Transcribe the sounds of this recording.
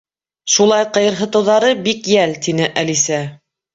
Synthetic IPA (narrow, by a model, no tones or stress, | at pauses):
ʃulˠɑjqɤ̆jɤ̆ɾɦɤ̆t̪ɤ̆wðɑɾɤbikjælt̪inɘʔælisæ